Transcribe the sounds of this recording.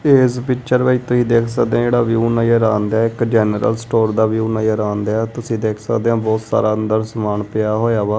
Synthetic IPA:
eːspɪkt͡ʃəɾʋəːit̪ʊsĩːd̪eːkʰsəkd̪eãd͡ʒeːɽaːʋjuːnãːjəɾaːnd̪aːɪkd͡ʒɛːnəɾə̰lsʈoːɾd̪aːʋjuːnaːjəɾãːnd̪ɛːt̪ʊsĩːd̪eːkʰsəkd̪eːãːbɔːt̪sa̰ːɾaːənd̪əɾsəmaːnpɪjaːɦoːjaːʋaː

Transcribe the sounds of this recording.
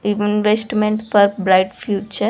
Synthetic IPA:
iʋinʋesʈmẽɳʈpəɾbɾajʈfjut͡ʃə

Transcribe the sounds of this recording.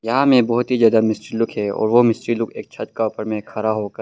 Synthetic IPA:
jɐɦãmẽbɔːɦʊt̪ɦizjaːd̪amɪsʈɾilʊkʰɦɛɔ̰ːɾʋomɪsʈɾilʊkʰḛːk̚t͡ʃʰɐt̪kaʊpəɾmẽkʰɐɾaɦoːkɐɾ

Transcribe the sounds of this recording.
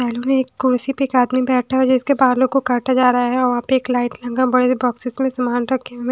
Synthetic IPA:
ɛːloneeːkːʊɽsipeeːkaːd̪mibɛːʈʰaɦɛd͡ʒɪskebaːd̪loɡ̚kokaːɾʈʰad͡ʒaːɾɐɦaɦɛɔːɾʋɐɦãːpeeːklaːɪʈlɐ̃ŋɡãbɐɽebɔːksɪsmẽsɐmaːnɾɐkʰːẽ

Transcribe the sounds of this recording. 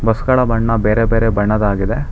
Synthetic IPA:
bɐskɐɭɐbɐɳːɐbeːɾebeːɾebɐɳːɐd̪aːɡid̪e̞

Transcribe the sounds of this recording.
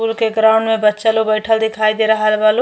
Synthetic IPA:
ulkeɡɾaʊɳɖmebətːt͡ʃəlobəɪʈʰəld̪ikʰajd̪eɾəɦəlbalo

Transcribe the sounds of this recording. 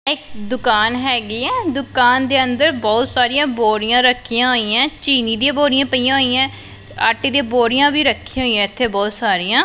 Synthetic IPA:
ɪkd̪ʊkaːnɦɛːɡiːɛːd̪ʊkaːnd̪eːənd̪əɾbɔːt̪saːɾijãːboːɾijãːɾəkʰːijãːɦoːiːãːt͡ʃiːniːd̪iẽːboːɾijãːpəijãːɦoːijãː | aːʈːiːd̪ẽːboːɾijãːbiːɾəkʰːiãɦoːijãːɪt̪ʰːeːbɔːt̪saːɾiːjãː

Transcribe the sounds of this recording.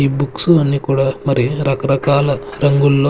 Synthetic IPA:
ibuksuɐnːikuːɽamɐɾiɾɐkɐɾɐkaːlɐɾɐŋɡulːo

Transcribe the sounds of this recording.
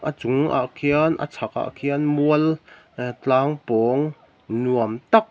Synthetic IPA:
ʔət͡sʊŋʔa̰ʔkʰiənʔə̰t͡sʰak̚ʔa̰ʔkʰiənmuəl | t͡ɬaːŋpɔŋ | nuəmt̪ɐk̚

